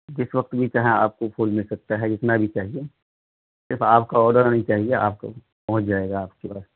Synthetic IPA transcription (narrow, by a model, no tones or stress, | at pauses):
d͡ʒɪsʋɐkt̪bʱit͡ʃaːɦea̰ːp̚kopʰoːlmɪlsɐk̚t̪aɦɛd͡ʒɪt̪nabʱit͡ʃaːɦie | sɪɾfaːpkaɔːɾɖəɾnɐɦĩt͡ʃaːɦiea̰ːp̚ko̰ | pɐɦʊ̃t͡ʃd͡ʒaːeːɡaːp̚kepaːs